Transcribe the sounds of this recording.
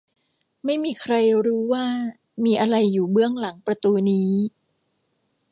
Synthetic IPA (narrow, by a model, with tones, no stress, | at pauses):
ma˥˩jmiː˧kʰɾa˧jɾuː˦˥waː˥˩ | miː˧ʔa˧ɾa˧jːuː˨˩bɯ˥˩əŋla˩˦ŋpɾa˧t̪uː˧niː˦˥